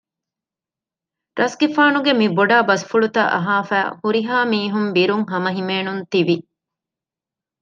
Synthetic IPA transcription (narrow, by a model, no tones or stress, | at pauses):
ɾɐsɡifaːnuɡemiboɖaːbɐsfuɭut̪ɐ̰ʔɐ̰ɦaːfæ̰ːhuɾiɦaːmiːɦumbiɾuŋɦɐmɐɦimeːnunt̪iʋi